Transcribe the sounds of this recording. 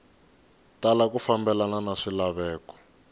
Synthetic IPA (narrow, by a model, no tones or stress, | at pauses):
talakufambɛlananaʂilaβɛːkɔ̥